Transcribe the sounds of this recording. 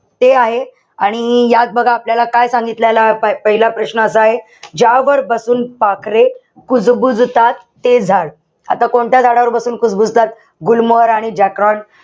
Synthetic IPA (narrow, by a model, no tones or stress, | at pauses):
t̪eaɦe | aɽ̃ijat̪̚bəɡʱaːpljalakajsãŋɡit̪ljalapəɦilapɾəɕnəəsəaɦe | d͡ʑaʋəɾbəsuːnpakɾe | kud͡zbud͡zʱt̪at̪ːed͡zʱaɽ | a̰t̪akoɳʈ̪jad͡zʱaɽaʋəɾbəsuːnkud͡zbud͡zʱt̪at̪̚ | ɡulmoəɾaɽ̃id͡ʑakɾɔɳ